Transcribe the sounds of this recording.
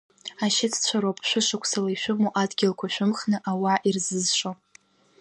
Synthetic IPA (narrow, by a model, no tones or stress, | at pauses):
aʃɪtʰt͡ɕʷʰaɾopʼʃʷᶣʊʂakʷʰsalaiʃʷᶣʊmoʔadɡʲɪlkʷʰaʃʷᶣʊmχnɨʔawaʔirzɨzʃʷo